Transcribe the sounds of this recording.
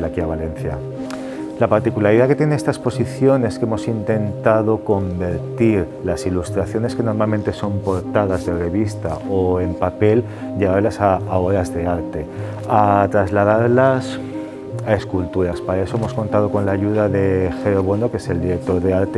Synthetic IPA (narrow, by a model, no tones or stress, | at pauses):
lakiaβale̞nθja̰ | lapaɾt̪ikulaɾiðake̞t̪jeneest̪aespo̞siθjo̞ne̞skeemo̞sint̪e̞nt̪að̞o̞ko̞mbe̞ɾt̪iɾ | lasilust̪ɾaθjo̞ne̞ske̞no̞ɾmalment̪e̞so̞mpo̞ɾt̪að̞azðe̞re̞βist̪a̰oe̞mpape̞l | ʎe̞ɣ̞aɾlasaːo̞ɾazðe̞aɾt̪e̞ | at̪ɾazlað̞aɾlas | ae̞skult̪uɾaspaɾae̞so̞emosko̞nt̪að̞o̞ko̞nlaːʝuðaðe̞xe̞o̞βo̞nokese̞ld̪iɾe̞k̚t̪o̞ɾðe̞aɾt̪